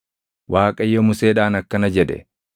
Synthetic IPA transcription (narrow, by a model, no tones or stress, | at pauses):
wʔaːkʼɐjːomʊseːᶑaːnɐkːɐnɐd͡ʒɛᶑɛ̰